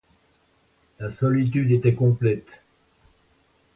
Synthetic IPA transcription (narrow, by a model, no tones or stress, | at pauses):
lasɔlit̪̬yd̪et̪ɛkɔ̃plɛt̪